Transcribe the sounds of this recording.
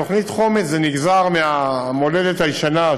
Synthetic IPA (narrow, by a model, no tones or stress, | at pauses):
o̞χnitχo̞met͡szeniɡzaʁmeamo̞ledethajʃana